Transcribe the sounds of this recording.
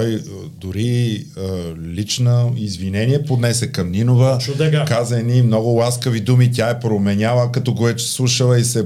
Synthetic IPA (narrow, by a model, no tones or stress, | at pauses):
ɔjd̪ʊɾi | lit͡ʃnəizvinɛniɛpod̪nɛsɛkɐmninovət͡ʃʊd̪ɛkazəɛnimnɔɡʊlˠaskəvid̪umit̪̬ʲaɛpɾomɛnʲalˠəkɐt̪ɔɡovɛt͡ʃɛ̥slˠuʃəlˠəisɛ